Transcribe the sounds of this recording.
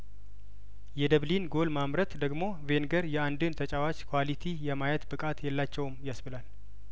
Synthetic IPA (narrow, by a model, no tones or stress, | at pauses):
jɛd̪əβlinɡo̞lmamɾət̪d̪əɡmo̞ve̞nɡəɾjɛand̪ɨnt̪ʰət͡ʃʼawat͡ʃkʰwalit̪ʰijɛmajɛt̪bɨkʼat̪jɛlːat͡ʃːɛwmjasbɨlal